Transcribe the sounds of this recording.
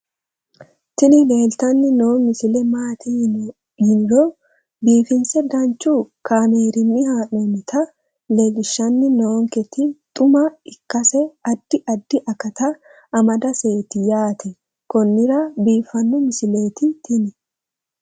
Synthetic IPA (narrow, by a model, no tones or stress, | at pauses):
t̪ɪnɪle̞ːlt̪ɐnːɪnoːmɪsɪlɛmaːt̪ɪ | hɪnɪɾoː | biːfɪnsɛɡɐnt͡ʃːuːkaːmeːɾɪnːɪhaːnɔmɪt̪ʰɐ | le̞ːlɪʃːɐnːɪnoːŋkɛt̪ɪt̪ʼʊmɐɪkːɐsɛɐd̪ːɪʔɐd̪ːɪʔɐkɐt̪ɐ | ɐmɐd̪ɐse̞ːt̪ɪjaːt̪ʰɛ | kɔnːɪɾɐbiːfːɐnːɔmɪsɪle̞ːt̪ɪt̪ʰɪnɪ